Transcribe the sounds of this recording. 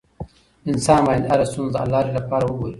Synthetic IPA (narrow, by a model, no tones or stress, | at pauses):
ɪnsɑːnmaːind̪aɾast̪unzd̪əa̰lːaːɾilapɑːɾawuɡoːɾi